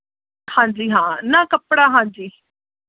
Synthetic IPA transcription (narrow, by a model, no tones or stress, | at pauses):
hãːɲd͡ʒiːɦãːnãːkəpɽaːɦãːɲd͡ʒiː